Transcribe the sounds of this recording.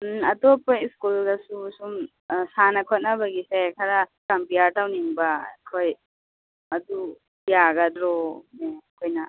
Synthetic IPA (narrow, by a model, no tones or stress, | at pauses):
ɐdopojskulɡasusum | sanakʰot̚nɐbɐɡisekʰɐɾakampijaɾtawniŋbakʰoj | ɐdu | ijaɡadɾomeɐkʰojnɐ